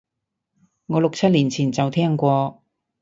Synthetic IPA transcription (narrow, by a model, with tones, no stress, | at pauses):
ŋɔː˨˧lʊ˨k̚t͡sʰɐ˥t̚liː˨˩nt͡sʰiː˨˩nt͡sɐ˨wt̪ʰɛː˥ŋkʷɔː˧